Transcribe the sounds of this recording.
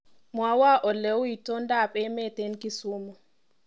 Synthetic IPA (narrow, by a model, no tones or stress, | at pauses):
mɔawaʔɔlewitɔndaɓɛmɛtenkisumɔ